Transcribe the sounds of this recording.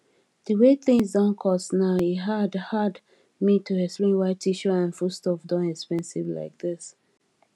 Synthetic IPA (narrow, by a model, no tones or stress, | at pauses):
d̥əweθɪ̃ŋzdɔ̃nkʰɔsnaʊiɦadhad | mitʰuɛspɹĩnwaɪtʰiʃɔãnfustɔfdɔ̃nɛkspɛ̃nsɪvla̰ɪk̚ðɪs